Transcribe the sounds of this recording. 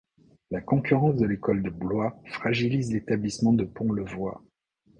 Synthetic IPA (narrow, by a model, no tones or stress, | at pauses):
lakɔ̃kʲyʁɑ̃s̬d̪əlekɔld̪əblwafχaʒilizlet̪ablismɑ̃d̪əpɔ̃ləvwa